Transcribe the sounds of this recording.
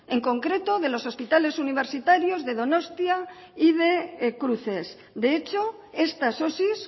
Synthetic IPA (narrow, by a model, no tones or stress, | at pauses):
eŋko̞ŋkɾe̞t̪o̞ð̞e̞lo̞so̞spit̪ale̞suniβ̞e̞ɾsit̪aɾjo̞zðe̞ðono̞st̪ja | ið̞e̞kɾuθe̞s | d̪e̞et͡ʃo | e̞st̪aso̞sis